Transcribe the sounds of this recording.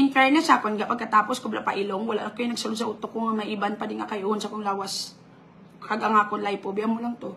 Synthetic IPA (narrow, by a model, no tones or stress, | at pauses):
ʔɪnkajnasakonɡapɐɡ̚kɐt̪aːposkobla̰ʔpa̰ʔɪloŋwɐla̰ʔakojnɐɡsʊlonsɐʔʊt̪okoŋɐmɐʔɪbanpɐd̪ɪŋakajʔʊnsɐkoŋlaːwas | kaɡaŋaːkonlajpobiamʊlaŋt̪o